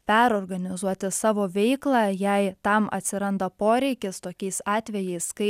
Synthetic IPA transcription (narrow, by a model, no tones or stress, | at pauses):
pʲæɾoːɾɡɐnʲɪzuɔt̪ʲɪsɑːʋoːʋʲɛɪklˠɑːjɛɪt̪ɐmɐ̰t̪ʲsʲɪɾɐnd̪ɐpoːɾʲɛɪkʲɪst̪oːkʲɛɪsɑːt̪ʲʋʲɛjɛɪskɐɪ